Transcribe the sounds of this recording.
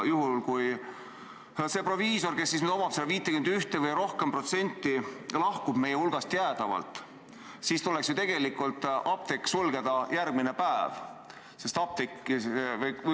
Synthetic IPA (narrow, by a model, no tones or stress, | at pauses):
juɦulkuj | se̞ːpro̞viːso̞rkesːisnyd̪o̞mɑpsed̪ɑviːt̪ːˑekynd̪yht̪evɤjɾo̞hkempro̞t̪se̞nʲt̪ˑːilɑhkub̥me̞jeulɡ̥ɑst̪jæːd̪̥ɑvɑ̰lt̪ˑ | siːst̪uleksjot̪e̞ɡ̥e̞likːult̪ʔɑp̚t̪ikːsulɡ̥ed̪̥ɑjærɡ̥̚minepæev | se̞st̪ɑp̚t̪ikːˑiv